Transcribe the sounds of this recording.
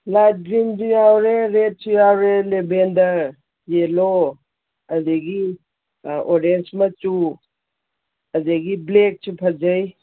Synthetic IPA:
lat̚ɡɾimdujawɾeɾet̚sujawɾelebendɐɾ | jelo | ɐzeɡi | oɾensmɐt͡ʃu | ɐzaɡiblek̚sʰupʰɐd͡ʒaj

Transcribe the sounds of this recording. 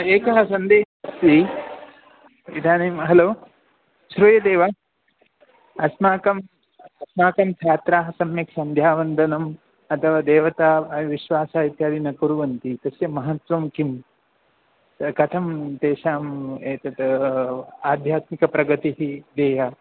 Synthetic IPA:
eːkɐɦɐsɐnd̪eːʃɐsi | id̪ʰʱaːnimɦɐloː | ʃɾuːjɐd̪eːʋɐ | ɐsmaːkɐm | ɐsmaːkɐmt͡ʃʰaːt̪ɾaːɦɐsɐmjɐksɐnd̪ʱjaːʋɐnd̪ʱɐnɐm | ɐt̪ʰɐʋaːd̪eːʋɐt̪aːʋiʃʋaːsaːit̪jaːd̪inɐkuɾuʋɐnt̪it̪ɐsjɐmɐɦɐt̪ʋɐmkim | kɐt̪ʰɐmt̪eːʃaːmeːt̪ɐt̪ | aːd̪ʱjaːt̪mikɐpɾɐɡɐt̪iɦid̪eːɦa

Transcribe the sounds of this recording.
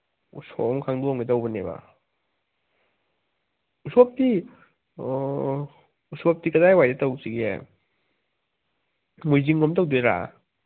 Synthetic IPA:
ṵsɔ̰mkʰaŋduɔŋɡetawbaneba̰ | usɔp̚ti | usɔp̚tikadajwajdetawsiɡḛ | mujziŋːɔmtawdeɾa̰

